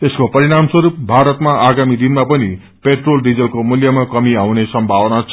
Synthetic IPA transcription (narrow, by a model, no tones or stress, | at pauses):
t̪eskopʌɾiɽamswʌɾup̚bʱaɾʌt̪maʔaɡamid̪inmapʌni | peʈrolɖid͡zʌlkomuljʌmakʌmiawnesʌmbʱabnat͡sʰʌ